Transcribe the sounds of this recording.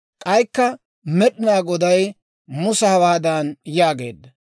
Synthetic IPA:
kʼɐjkːɐ | mɛɗɪnaːɡɔd̪ɐj | mʊsɐhɐwaːd̪aːnjaːɡe̞̰ːd̪ːɐ

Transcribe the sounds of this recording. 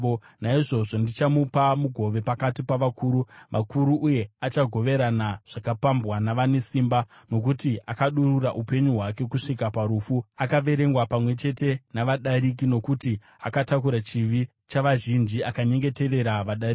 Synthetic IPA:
naiʐo̞ʐo̞ndit͡ʃamupamuɡʱo̞ʋe̞pakatipaʋakʰuːɾuʋakuɾuʔuje̞at͡ʃaɡʱo̞ʋe̞ɾanaʐ̥akapambɣwanaʋanesiːmba | no̞k̬utiakaɗururaʔupe̞ɲuɦwake̞kuʂikapaɾuːfuakaʋe̞ɾe̞ŋɡwapamwe̞t͡ʃe̞te̞naʋaɗaɾik̬ino̞kuti | a̰katakuɾat͡ʃiʋi | t͡ʃaʋaʒind͡ʒiakaɲe̞ŋɡe̞te̞re̞ɾaʋaɗarik

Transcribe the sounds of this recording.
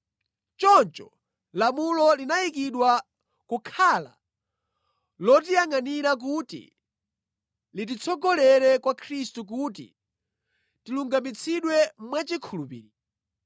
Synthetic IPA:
t͡ʃɔnt͡ʃɔ | lamulɔlinajik̬iɗwa | kukʰala̰ | lɔtijaŋaniɾak̬utḭ | lit̬it͡sʰɔɡɔlɛɾɛkwakʰɾistuk̬ut̬ḭ | tiluŋɡamit͡sʰiɗwɛmmwat͡ʃikʰulupḭːɾi

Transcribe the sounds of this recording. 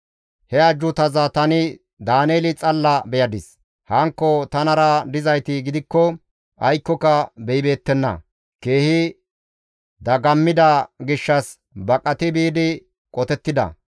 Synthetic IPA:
hɛɐd͡ʒːʊt̪ɐzɐt̪ɐnɪ | d̪aːneːlɪt͡sʼɐlːɐbɛjɐd̪ɪs | hɐŋkːɔt̪ɐnɐɾɐd̪ɪzɐjt̪ɪɡɪd̪ɪkːɔ | ʔɐjkːɔkɐbɛjɪbe̞ːt̪ːɛnːɐ̰ | ke̞ːhɪ | d̪ɐɡɐmːɪd̪ɐɡɪʃːɐs | bɐkʼɐt̪ɪbiːd̪ɪ | kʼɔt̪ɛt̪ːɪd̪ɐ̰

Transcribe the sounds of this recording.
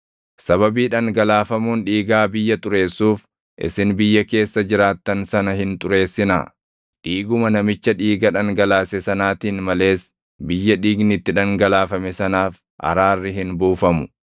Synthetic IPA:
sɐβɐbiːᶑɐŋɡɐlaːfɐmuːnᶑiːɡaːbɪjːɐt̪ʼʊɾe̞ːsːuːf | ʔɪ̰sɪnbɪjːɐke̞ːsːɐd͡ʒɪɾaːt̪ːɐnsɐnɐɦɪnt̪ʼʊɾe̞ːsːɪna̰ː | ᶑiːɡʊmɐnɐmɪt͡ʃːɐᶑiːɡɐᶑɐŋɡɐlaːsɛsɐnaːt̪iːnmɐle̞ːs | bɪjːɐᶑiːɡnɪt̪ːɪᶑɐŋɡɐlaːfɐmɛsɐnaːf | ʔɐ̰ɾaːrːɪɦɪnbuːfɐmʊ̥

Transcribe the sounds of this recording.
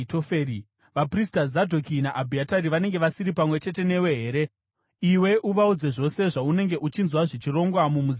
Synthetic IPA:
tofeːi | ʋapristazadʱokinaʔabʱiataɾiʋane̞ŋɡe̞ʋasiɾipamwe̞t͡ʃe̞te̞ne̞we̞ɦeːɾe̞ | iwe̞ʔuʋaud͡ze̞ʐo̞se̞ʐaune̞ŋɡe̞ʔut͡ʃinzwaʐe̞t͡ʃiro̞ŋɡwamumuz

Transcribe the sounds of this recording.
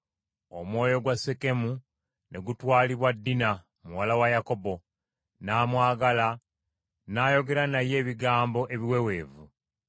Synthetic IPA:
o̞mwo̞ːjo̞ɡwase̞ke̞mu | nʔe̞ɡutwaːliβwadːina | muwalawajako̞bo̞ | naːmwaːɡala | naːjo̞ɡe̞ɾanaje̞ːβiɡaːmbo̞ʔe̞βiwewe̞ːvu

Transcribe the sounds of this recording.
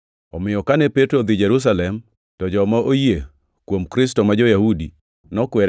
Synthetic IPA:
ɔmɪjɔkanɛpetɾod̪ɪd͡ʒeɾus̬alɛm | tɔd͡ʒɔmaoje | kwomkɾɪstɔmad͡ʒojahudi | nɔkwɛɾ

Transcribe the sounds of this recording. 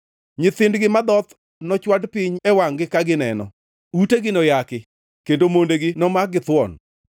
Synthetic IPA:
ɲɪt̪ɪndɡɪmad̪ɔt̪ | nɔt͡ʃwadpɪɲɛwaŋɡɪkaɡɪnɛnɔ̰ | uteɡɪnɔjakɪ | kendomondeɡɪnɔmaɡɪt̪wɔ̰n

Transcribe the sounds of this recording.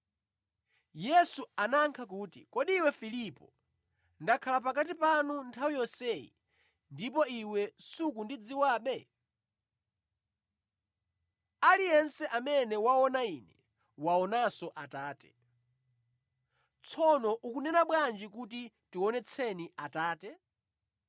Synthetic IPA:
jɛsuanaŋkʰak̬uːtḭkɔɗiwɛfilipɔ | ndakʰalapakat̬ipanuntʰawijɔsɛḭ | ndipɔiwɛsukundid͡ziwaːɓɛ | alijɛnsɛʔamɛnɛwaɔnainɛ | waɔnasɔʔataːtɛ̥ | t͡sʰɔnɔʔukunɛnaɓwand͡ʒikut̬i | tiwɔnɛt͡sʰɛniataːtɛ

